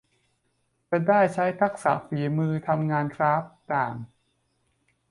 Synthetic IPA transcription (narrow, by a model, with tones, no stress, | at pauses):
ka˧daː˥˩jt͡ɕʰa˦˥jt̪ʰa˦˥k̚sa̰ː˩˦fiː˨˩˦mɯː˧t̪ʰa˧mŋaː˧nkʰɾaː˦˥p̚t̪aː˨˩ŋ